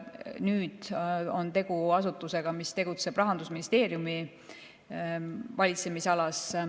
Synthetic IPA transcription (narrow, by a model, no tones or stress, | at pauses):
nyːd̪̥o̞nt̪e̞ɡ̥uɑsut̪ːˑuse̞ɡ̥ɑmist̪e̞ɡut̪se̞b̥rɑɦɑnd̪usminist̪e̞ːɾjumi | vɑlʲit̪se̞misɑlɑs